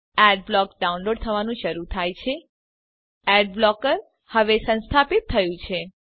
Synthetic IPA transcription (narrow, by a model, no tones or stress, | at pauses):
ɛɖ̚blɔkɖaunloɖ̚t̪ʰəʋanũʃəɾut̪ʰajt͡ʃʰe | ɛɖblɔkəɾ | həʋesə̃nst̪ʰapit̪ʰːəjũt͡ʃʰe